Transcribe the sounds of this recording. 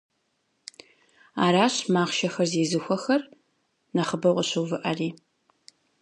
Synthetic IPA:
a̰ːɾaːɕmaːʁʃɐxɐrzeːzɨxʷɔxɐr | nɐχəbɐwqəɕɨwvɨʔɐriː

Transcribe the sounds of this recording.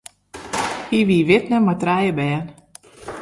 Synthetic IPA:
hiʋiʋɪtnəmatrɛjəbɛːən

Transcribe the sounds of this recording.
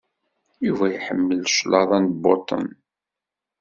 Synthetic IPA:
juvæjħəmːəlʃlɑðˤɑnd̪bot̪ˤə̰n

